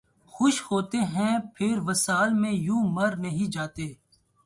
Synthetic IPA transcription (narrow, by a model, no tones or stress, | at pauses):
xʊʃhoːt̪eɦɛ̃pʰɪɾʋɐsaːlmẽjũːmɐɾnɐɦĩd͡ʒaːt̪eː